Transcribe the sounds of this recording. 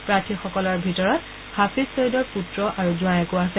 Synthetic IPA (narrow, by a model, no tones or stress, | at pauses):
pɹatʰixɔkɔlɔɹbʱitɔɹɔt | hapissoidɔɹputɹɔʔaɹuzuajɛkʊasɛ